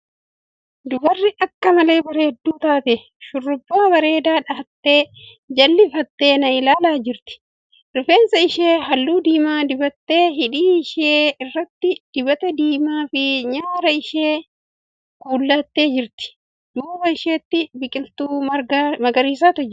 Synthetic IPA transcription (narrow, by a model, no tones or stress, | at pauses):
d̪ʊbɐrːɪʔɐkːɐmɐle̞ːbɐɾeːd̪ːuːt̪aːt̪ɛ | ʃʊrːʊbːaːbɐɾe̞ːd̪aːᶑɐhɐt̪ːe̞ː | d͡ʒɐlːɪfɐt̪ːe̞ːnɐɪlaːlaːd͡ʒɪɾt̪ɪ̥ | ɾɪfeːnsɐɪʃeːɦɐlːuːd̪iːmaːd̪ɪbɐt̪ːeːɦɪᶑiːɪʃeːɪrːɐt̪ːɪd̪̥ɪbɐt̪ɐd̪iːmaːfɪɲaːɾɐɪʃeː | kuːlːɐt̪ːe̞ːd͡ʒɪɾt̪ɪ̥ | d̪̥uːbɐɪʃeːt̪ːɪbɪkʼɪlt̪uːɐɡmɐɡɐɾiːsaːt̪ɔd͡ʒ